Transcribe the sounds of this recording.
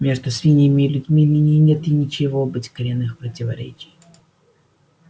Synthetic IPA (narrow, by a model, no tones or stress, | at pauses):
mʲe̞ʐd̪ʊsvʲinʲɪjɪmʲɪlʲʊdʲmʲimʲinʲɪnʲe̞t̪ɪnʲɪt͡ɕɪvobɨtʲkɐɾʲɪnːɨxpɾətʲɪvɐ̰ɾʲḛt͡ɕɪj